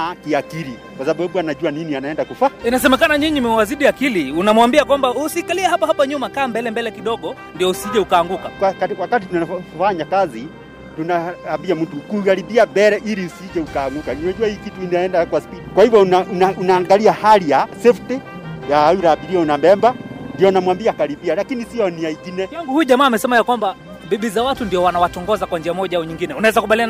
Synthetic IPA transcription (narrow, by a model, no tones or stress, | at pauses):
kiakiɾi | kwasaɓaɓuanaʄuaninianaɛndakufainasɛmɛkanaɲiɲimiwaziɗiakiliunamwambiakwambausikaliɛhapahapaɲumakaːmbɛlɛmbɛlɛkiɗɔɡɔ | ndiɔusiʄɛukaːŋɡukakwakawakat̬itunafaɲakazi | tunaambiam̩tukuɣaɾibiaɓɛɾɛʔiɾiusiʄɛukaːŋɡukaninaʄuahiːkitukinaɛndakwaspitikwahivjɔnaʔunaʔunaːŋɡaliahalijasɛftɛjaauɾaːɓiɾiaunambɛmbandiɔnamwambiakaɾibialakinisiɔniaiɡinɛaŋɡuhujʄamaːmɛsɛmajakwamba | biɓizawatundiɔwanawatɔŋɡɔzakwand͡ʒiamɔʄaauɲiŋɡinɛunawɛzakuɓalian